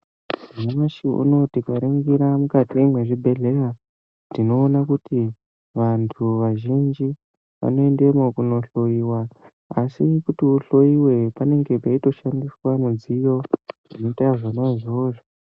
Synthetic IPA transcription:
maʃiṵno̞tikwaɾiŋɡiɾamukatiwemwe̞ʐibʱe̞ɮe̞ra | ndino̞ːnakuti | ʋantʰuʋaʒind͡ʒi | ʋa̰no̞e̞nde̞mokuno̞ɬo̞iwa | asikutiuɬo̞iwe̞pane̞ŋɡe̞paito̞ʃandiswamud͡zijo̞ʐinetavanaiʐoːʐo

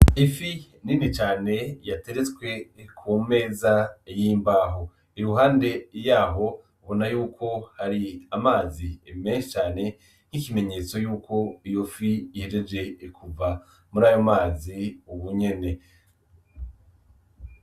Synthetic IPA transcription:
ifi | ninit͡ʃaːne̞jate̞ɾet͡swe̞kʰume̞ːzajiːmbaːɦo | iɾuɦaːnde̞jaːɦo̞ | βo̞najuːkʰo̞haɾiamaːzimeːnʃet͡ʃaːne̞ | ŋ̥ikime̞ɲe̞ːt͡so̞juːkʰo̞ijo̞fiːheɾed͡ʒe̞kʰuva | muɾaːjomaːziuβuɲe̞ne̞

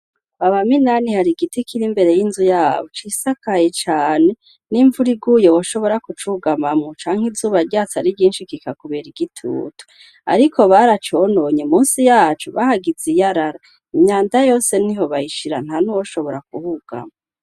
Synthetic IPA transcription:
aβaminanihaɾiɡitikiɾimbe̞ɾe̞jinzujaːβot͡ʃisakajet͡ʃaːne̞ | niːɱvuɾiɡujowoʃo̞βo̞ɾakut͡ʃuɡamamŋut͡ʃaːŋ̥izuːβaɾɟaːt͡saɾiɟiːnʃikikakuβeɾiɡitʰṵːtu̥ | a̰ɾikʰo̞βaɾat͡ʃonoɲemuːnsijaːt͡ʃuβahaɡizijaɾaɾa | imɲaːndajo̞ːse̞niɦo̞βaiʃiɾan̥hanuwoʃoβo̞ɾak̚uhuɡ̥a̰mo

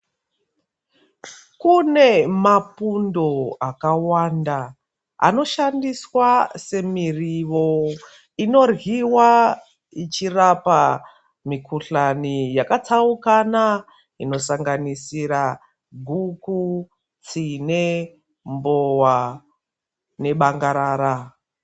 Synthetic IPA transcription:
kune̞mapundo̞akawanda | a̰no̞ʃandiswase̞miriʋo̞ | ino̞rɦiwa | it͡ʃirapa | mikuɬanijakat͡saukana | ino̞saŋɡanisiɾa | ɡʱuku | t͡sine | mbowa | ne̞ɓaŋɡaɾaːɾa

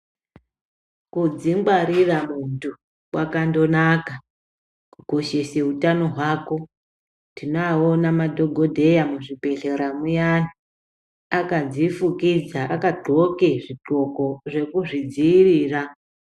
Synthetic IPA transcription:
kud͡zimɡwaɾiramuntu | wakando̞naka | kuɡ̥ʱo̞ʃe̞seutano̞ɦwaːko̞ | tinoaonamadʱo̞ɡʱo̞dʱe̞jamuʐipe̞ɬeɾamujani | akad͡zifukid͡zaʔakaɡ͡ǃʱo̞ke̞ʐiǃo̞ko̞ʐe̞kuʐid͡ziiriːra

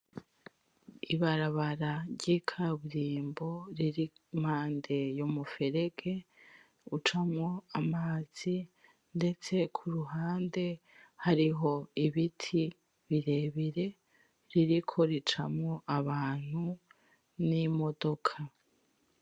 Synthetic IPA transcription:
iβaɾaβaɾaɾɟikʰaβuɾiːmbo̞ɾiɾim̥haːnde̞jomufe̞ɾe̞ɡe̞ | ut͡ʃamŋo̞amaːz̥i | nde̞t͡se̞kʰuɾuɦaːnde̞ | haɾiɦo̞iβitʰi | βiɾe̞βiɾe̞ | ɾiɾikʰo̞ɾit͡ʃamŋo̞ʔaβaːn̥hu | nimo̞do̞kʰa

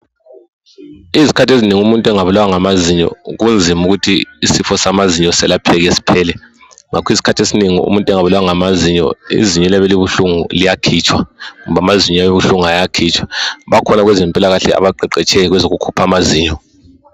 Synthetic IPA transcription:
izikʰatʰesiniŋiumuntʼɛŋaβulawaŋamaziɲɔ̰ɣund͡zʱimuɣutʰiisifɔsamaziɲɔsɛlapʰɛɣɛsi̥pʰɛːlɛ | ŋakʰwizi̥kʰatʰesiniŋiṵmuntʼɛŋaβulawaŋamaziɲɔ̰ḭziɲɛliaβɛliβuɬuŋṵlijakʰit͡ʃʰʼwaŋumβamaziɲɔaβiβuɬuŋuajakʰit͡ʃʰʼwḁβakʰɔnaɣwɛzɛmpʼilaɣaɬɛa̰βaǃɛǃɛt͡ʃʰɛɣwɛzoɣukʰupʰamaziːɲɔ

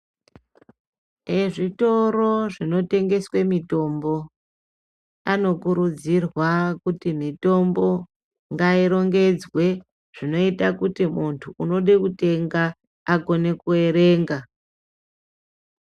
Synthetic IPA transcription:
eʐito̞ro̞ʐino̞te̞ŋɡe̞swe̞mito̞mbo̞ | ano̞kuɾud͡zirwakutimito̞mbo̞ | ŋɡaiɾo̞ŋɡe̞d͡zwe̞ | ʐ̥ino̞itakutimuntʰuːno̞ɗe̞kute̞ŋɡaː | ko̞ne̞kue̞ɾeːŋɡa

